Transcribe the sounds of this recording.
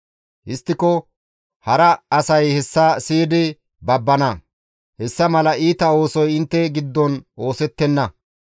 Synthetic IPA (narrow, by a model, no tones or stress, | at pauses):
ʔɪst̪ːɪkɔ | hɐɾɐɐsɐjhɛsːɐsiːd̪ɪ | bɐbːɐnɐ | hɛsːɐmɐlɐiːt̪ɐo̞ːsɔjɪnt̪ːɛɡɪd̪ːɔno̞ːsɛt̪ːɛnːɐ